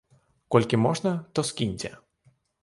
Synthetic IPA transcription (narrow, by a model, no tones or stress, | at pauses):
kɔlʲkʲimɔʐnɐt̪ɔskʲinʲtʲɛ̰